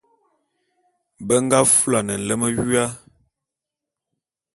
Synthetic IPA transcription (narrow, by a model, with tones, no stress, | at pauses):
bə˦ŋ˦ɡa˦fu˦la˨nə˨n̩˨lə˦mə˦ɥɥa˦